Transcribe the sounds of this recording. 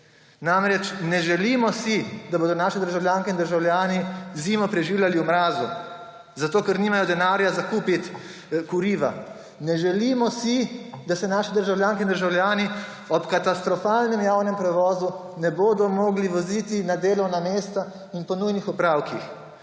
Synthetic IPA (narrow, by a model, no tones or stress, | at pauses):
namɾɛt͡ʃnɛʒɛliːmɔsid̪aboːd̪ɔnaːʃid̪əɾʒawljaːŋkɛind̪əɾʒawljaːniziːmɔpɾɛʒiːwlʲjaliɔmɾaːzu | zat̪oːkɛɾniːmajɔd̪ɛnaːɾjazakuːpit̪ | kuɾiːʋa̰ | nɛʒɛliːmɔsid̪asɛnaːʃid̪əɾʒawljaːŋkɛind̪əɾʒawljaːni | ɔpkat̪ast̪ɾɔfaːlnɛmjaːwnɛmpɾɛʋɔːzu | nɛboːd̪ɔmoːɡliʋɔziːt̪inad̪eːlɔwnameːst̪a | inpɔnujnixɔpɾaːwkix